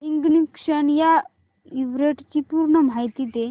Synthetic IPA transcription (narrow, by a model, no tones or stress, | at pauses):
iŋɡnikʂəɳja | iʋɾeʈt͡ɕipuɾɳəm̤ajt̪it̪e